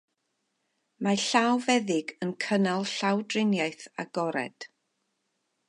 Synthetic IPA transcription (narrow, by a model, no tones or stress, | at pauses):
maɬawvɛðɪɡənkʰənalˠɬawdrɪnjajθa̰ɡ̥ɔɾɛ̰d̥